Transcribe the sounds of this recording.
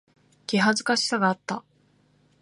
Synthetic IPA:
ɡ̥ʲiɦazɨkaɕi̥saɡaːt̪ːa

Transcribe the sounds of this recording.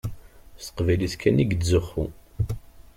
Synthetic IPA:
st̪ə̥qvæjliskʰæniɡd̪zəχːṵ

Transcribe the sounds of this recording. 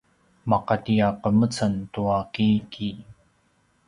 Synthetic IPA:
mɑqɑt̪iaqəmət͡sant̪uakiːkʰi

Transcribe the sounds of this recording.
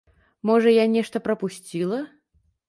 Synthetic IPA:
mɔʐɐjanʲɛʂt̪ɐpɾɐpusʲt͡sʲilˠɐ

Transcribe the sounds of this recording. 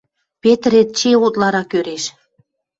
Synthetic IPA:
pet̪əɾet̪̚t͡ɕeut̪lɑɾɑkøɾeʃ

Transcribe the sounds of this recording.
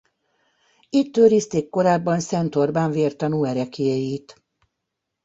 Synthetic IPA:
it̪ːøːɾiːst̪eːkːo̞ɾaːbːɒnsɛnt̪o̞rbaːɱveːrt̪ɒnuːɛɾɛkejiːt̪

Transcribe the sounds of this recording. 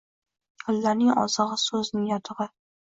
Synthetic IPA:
qʰʊlːaɾnɪŋʔɒ̰zɨʁɨsɵznɪŋjɒt̪ʰɨʁɪ

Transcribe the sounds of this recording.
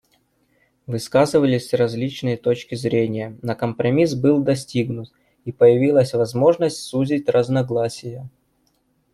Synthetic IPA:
vɨskazɨvəlʲɪsʲrɐzʲlʲit͡ɕnɨjət̪ot͡ɕkʲɪzɾʲenʲɪjənəkəmpɾɐmʲisbɨlˠd̪ɐsʲtʲiɡnʊt̪ | ipəjɪvʲilˠəsʲvɐzmo̞ʐnəsʲtʲsuzʲɪtʲrəznɐɡlˠasʲɪjə

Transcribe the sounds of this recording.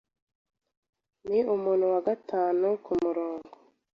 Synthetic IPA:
niumuːn̤̥huwaɡatʰaːnukumuɾoːŋɡo

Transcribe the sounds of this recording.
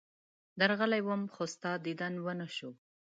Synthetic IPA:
d̪aɾɣəlajwəmxost̪ɑd̪id̪anwənaʃu

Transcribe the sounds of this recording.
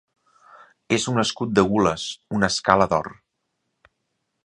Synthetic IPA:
ezunəskut̪̚d̪əɣuləsunəskaləðɔ̰r

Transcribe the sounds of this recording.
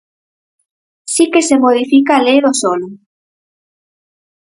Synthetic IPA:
sikesemoð̞ifikaːlejðosolʊ

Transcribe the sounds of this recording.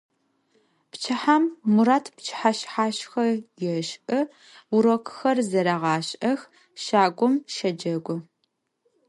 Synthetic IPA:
pt͡ʃʰɨħamːuɾaːtʰpt͡ʃʰħaɕħaːɕxɐjɛʃʔɨ | ʊɾokʷʰxɐrzɐɾɐʁɑːɕʼʔɐx | ʃaːɡʷɔmʃɐd͡ʒɐɡʷʊ

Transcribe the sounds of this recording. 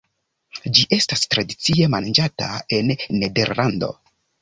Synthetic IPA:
d͡ʒiʔe̞stastɾadit͡sie̞mand͡ʒata̰e̞nːe̞de̞̰ɾlando̞̰

